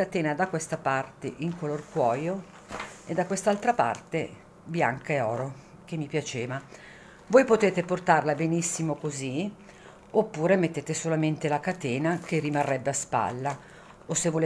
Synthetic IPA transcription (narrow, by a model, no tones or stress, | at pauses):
at̪eːnad̪akːwest̪apart̪eʔiŋkolorkwɔːjo | ed̪ːakwest̪alt̪ɾapa̰rt̪e | bjaŋkaeɔːɾo | k̟emːipjat͡ʃeːva | vojpot̪eːt̪eport̪arlabenisːimokozi | opːuːɾemet̪ːeːt̪esolament̪elakat̪eːnak̟erːimarːɛbːeaspa̰lːa | osevːole